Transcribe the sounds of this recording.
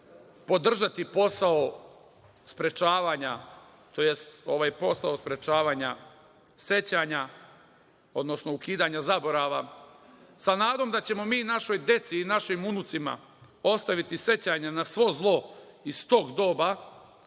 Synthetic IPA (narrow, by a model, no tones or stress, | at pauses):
po̞d̪r̩ʒat̪ipo̞sao | spɾe̞t͡ʃaːʋaːɲa | t̪o̞je̞st̪o̞ʋaːjpo̞saospɾe̞t͡ʃaːʋaːɲa | se̞t͡ɕaɲa | o̞d̪no̞sno̞ukiːd̪aɲazabo̞ɾaʋa | sanaːd̪o̞md̪at͡ɕe̞mo̞miːnaʃo̞jd̪je̞t̪siːnaʃimunut̪sima̰ | o̞st̪aʋit̪ise̞t͡ɕaɲanasʋo̞zlˠo̞isst̪o̞ɡd̪o̞ːba